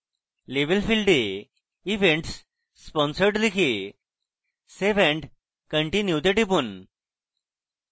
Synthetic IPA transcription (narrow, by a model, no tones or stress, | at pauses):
leʋəlfilɖe | iʋeɳʈsː | pɔ̃nsəɾʈd̪ikʰe | seʋẽɳɖ | kəɳʈinjut̪eʈipun